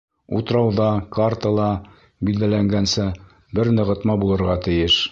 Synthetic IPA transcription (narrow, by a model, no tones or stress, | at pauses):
ṵt̪ɾɑwðɑkart̪ɤlˠɑ | bild̪ælæŋɡænsɘ | bɘɾnɤ̆ʁɤ̆t̪mɑbulˠɤ̆ɾʁɑt̪ɘ̆jɘʃ